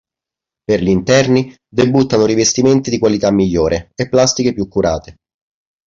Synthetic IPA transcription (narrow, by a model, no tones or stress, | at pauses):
perʎint̪ɛrni | d̪ebut̪ːanoɾivest̪iment̪id̪ikwalit̪amːiʎːoːɾeepːlast̪ikepjukːuɾaːt̪e